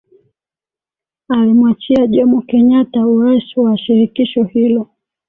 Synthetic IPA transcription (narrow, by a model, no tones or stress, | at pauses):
alimwat͡ʃiaʄɔmukɛɲatauɾaisuwaʃiɾikiʃɔhilɔ